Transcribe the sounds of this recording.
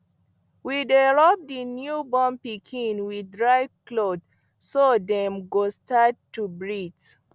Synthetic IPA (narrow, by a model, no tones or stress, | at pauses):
widɛɹɔp̚dinjubɔ̃mpikʰĩnwiɹaɪklod | sodɛ̃mɡostatːubɹit